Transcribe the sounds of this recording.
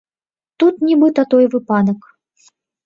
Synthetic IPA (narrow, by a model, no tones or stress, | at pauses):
t̪ut̪nʲibɨt̪ɐt̪ɔjvɨpad̪ɐk